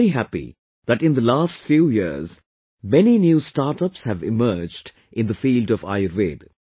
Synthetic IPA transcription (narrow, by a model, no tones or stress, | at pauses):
ɾiɦæpḭ | ðæʈɪ̃nd̪əlaːstfjuːjiz | mɛninjuːstaːɾʈʌpshævɪ̰mɜːd͡ʒɖ | ʔɪ̃nd̪əfiːlɖɔva̰ɪəɾʋḛːd